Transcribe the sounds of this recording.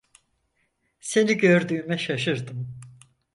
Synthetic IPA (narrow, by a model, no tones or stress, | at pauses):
se̞niɟø̞ɾd̪yːmɛʃaʃɯɾd̪ɯm